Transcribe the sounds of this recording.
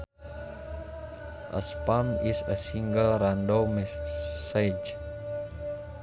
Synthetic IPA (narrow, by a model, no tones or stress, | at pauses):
ʔə̰spamisəsiŋɡəlrandomisad͡ʒ